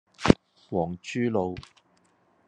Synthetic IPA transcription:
wɔː˨˩ŋt͡ʃʰyː˥lo˨˧w

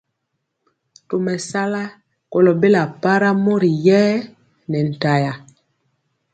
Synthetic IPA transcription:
to˨mɛ˨sa˦la˦ | ko˨lɔ˨be˦la˨pa˦ɾa˦mo˦ɾi˨jɛː˦ | nɛ˨n̩˨ta˨ja˨

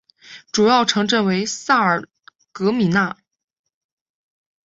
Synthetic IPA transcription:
ʈ͡ʂu˨˩jɑ˥˩ʊʈ͡ʂʰɤ˧˥ŋʈ͡ʂə˥˩nwe˧˥ɪsa˥˩ə˞˨˩ | kɤ˧˥mi˨˩na˥˩

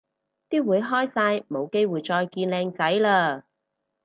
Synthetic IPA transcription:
t̪iː˥wuː˨˧jɦɔː˥jsaː˧jmo˨˧wke˥jwuː˨˩jt͡sɔː˧jkiː˧nlɛː˧ŋt͡sɐ˨˥jlaː˧

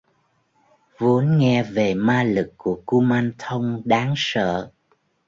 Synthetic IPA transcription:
vu˨˦ənŋɛ˧ve˨˩maː˧lɨ˨˩kkːu˧˩əku˧maː˧nt̪ʰə˧wŋ͡mɗaː˨˦ŋsə̰ː˧˨

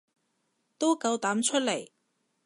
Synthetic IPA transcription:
t̪o˥wkɐ˨˧wt̪aː˨˥mt͡ʃʰɵ˥t̚le˨˩j

